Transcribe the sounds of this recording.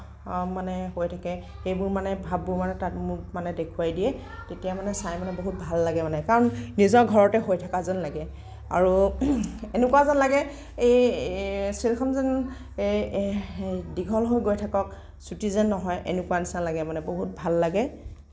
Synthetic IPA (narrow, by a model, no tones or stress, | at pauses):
manɛɦojtʰakɛ | xejbʊɹmanɛbʱabːʊɹmanɛtatmʊmanɛdekʰuajdijɛ | tetijamanɛsajmanɛboɦut̚bʱalːaɡɛmanɛkaɹɔnːizɔɡʱɔɹɔtɛɦojtʰakazanlaɡɛ | a̰ɹu | enʊkuwazɔnlaɡɛ | ej | sɹilkʰɔnzɔn | diɡʱɔlɦojɡojtʰakɔk̚ | sutizanːɔɦɔjʔḛnukuwanisanlaɡɛmanɛboɦut̚bʱalːaɡɛ